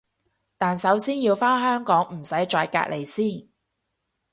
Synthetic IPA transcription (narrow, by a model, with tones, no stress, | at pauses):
t̪aː˨nsɐ˨˥wsiː˥njiː˧wfaː˥ɦœː˥ŋkɔː˨˥ŋm̩˨˩sɐ˨˥jt͡ʃɔː˧jka̰ː˧t̚lʔe˨˩jsiː˥˩n